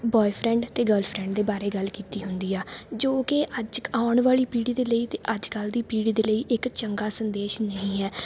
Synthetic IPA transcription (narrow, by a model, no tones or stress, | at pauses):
bɔːipʰɾɛ̃ːɳɖt̪eːɡəlpʰɾɛ̃ɳɖd̪eːbaːɾeːɡəlkiːt̪iːɦʊnd̪iːɛːd͡ʒoːkɪəd͡ʒaːʊɳʋaːliːpiːɽiːd̪eːləiːt̪eːʔəd͡ʒkəld̪iːpiːɽiːd̪eːləiːʔɪkt͡ʃəŋɡaːsənd̪eːʃnəĩːɦɛː